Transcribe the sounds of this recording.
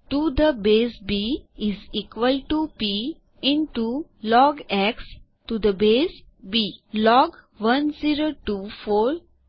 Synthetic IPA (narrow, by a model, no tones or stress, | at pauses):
ʈud̪əbeːsbiɪziːkʋəlʈupi | ɪ̃nʈu | lɔːɡɛks | ʈud̪əbeːs | biːlɔːɡ | ʋʌ̃nziːɾoʈufɔːɾ